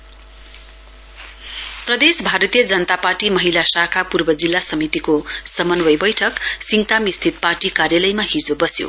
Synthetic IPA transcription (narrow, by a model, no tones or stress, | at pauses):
prʌd̪esbʱaɾʌt̪ijʌd͡zʌnʌt̪aparʈimʌɦilasakʰapurbʌd͡zilːasʌmit̪ikosʌmʌnwʌjbʌjʈʰʌksiŋt̪amist̪ʰit̪̚parʈikarjalʌjmaɦid͡zobʌsjo̰